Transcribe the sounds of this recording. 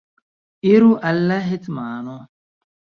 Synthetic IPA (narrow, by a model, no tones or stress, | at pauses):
iɾuʔɐlːɐɦit͡s̪maːno